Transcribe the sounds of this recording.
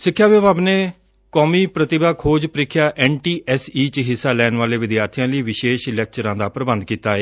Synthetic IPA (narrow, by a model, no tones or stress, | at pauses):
sɪkʰːjaːʋjəbaːbneː | kɔːmiːpɾət̪ɪbaːkʰoːd͡ʒpəɾɪkʰːjaːʔɛːɳʈiːʔɛsiːt͡ʃɦɪsːaːlɛːnʋaːleːʋɪd̪jaːɾt̪ʰijãːliːʋɪʃeːʃɪlɛːk̚t͡ʃəɾãːd̪aːpɾəbənd̪̚kiːt̪aːeː